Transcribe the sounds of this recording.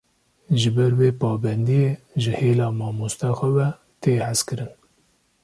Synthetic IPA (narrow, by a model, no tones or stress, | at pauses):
ʒɨbɛɾweːpɑːbɛnd̪ijeː | ʒɨheːlɑːmɑːmust̪ɑxʷɛvɛ | t̪eːhæzkɨɾɨn